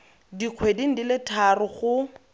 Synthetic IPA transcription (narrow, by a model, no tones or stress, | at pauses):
diq͡χʰwedin̩dilɪtʰarʊχʊ